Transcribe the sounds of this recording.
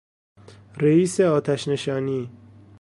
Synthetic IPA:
ɾeiːseɒːt̪ʰæʃne̞ʃɒːniː

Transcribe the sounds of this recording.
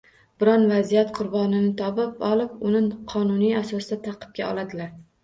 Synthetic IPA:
bɪɾɒnvazijat̪qʰʊɾbɒnɪnɪt̪ʰɒpɪpɒlˠɪpʊnɪqʰɒnʊnijasɒsɪd̪at̪ʰɑqʰɨ̥p̚ɡʲaɒ̰lˠad̪ɪlaɾ

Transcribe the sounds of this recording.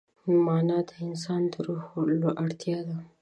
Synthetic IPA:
mɑnɑd̪əɪnsɑnd̪əɾoxloʔaɽt̪jɑd̪a

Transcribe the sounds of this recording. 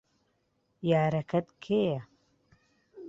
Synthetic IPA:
jaːɾɐkʰɐt̪kʰejɐ

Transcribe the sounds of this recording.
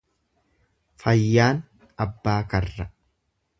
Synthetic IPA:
fɐjːaːn | ɐbːaːkɐrːɐ

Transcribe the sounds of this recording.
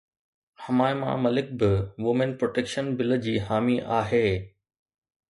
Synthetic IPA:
hɐmaːɪmã̰mɐlɪk̚bɪʋʊmɪnpɾoːʈeːkʃənbɪlə̆d͡ʑiːɦaːmiʔaːɦeː

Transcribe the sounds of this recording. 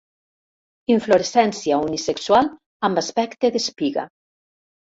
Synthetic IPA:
iɱfloɾesɛnsjaunisekswal | ambaspɛkt̪eðespiɣa̰

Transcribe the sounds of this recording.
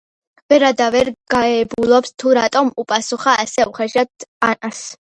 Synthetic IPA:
vɛɾad̪avɛɾɡ̥aɛbulˠɔpst̪ʰuɾat̪ʼɔmupʼasuχaʔːsɛuχɛʃat̪anas

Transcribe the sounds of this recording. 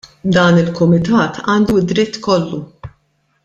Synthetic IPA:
d̪ɐːnɪlkʊmɪt̪ɐːt̪ʰɐːnd̪ud̪ɾɪt̪ːkɔlːu

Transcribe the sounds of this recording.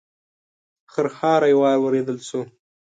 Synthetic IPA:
xəɾxɑɾajwɑɾwəɾed̪əlʃo

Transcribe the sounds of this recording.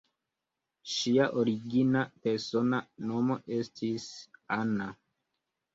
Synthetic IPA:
ʃiaʔo̞ɾiɡinape̞ɾso̞nano̞mo̞ʔe̞stʰisana

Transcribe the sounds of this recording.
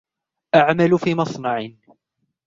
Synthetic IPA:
ʔaʕmalfiːmɑsˤnɑʕɪ

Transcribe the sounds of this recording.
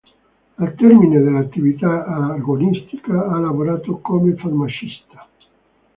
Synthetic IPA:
alt̪ɛɾmined̪elat̪ːivit̪aarɡonist̪i̥kaalavoɾat̪okomefarmat͡ʃist̪ḁ

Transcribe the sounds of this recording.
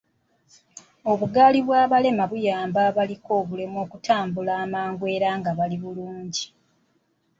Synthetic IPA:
o̞βuɡaːliβwaːβale̞maβujaːmbaβaliko̞ːβule̞mo̞ːkutaːmbulaːmaːŋɡwe̞ːɾaːŋɡaβaliβuluːɲɟi

